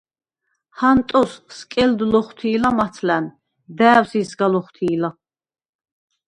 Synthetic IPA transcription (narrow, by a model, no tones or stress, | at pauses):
hant̪ʼɔsskʼɛld̪lɔχt̪ʰiːlamat̪ʰlæn | d̪æːwsisɡalɔχt̪ʰiːla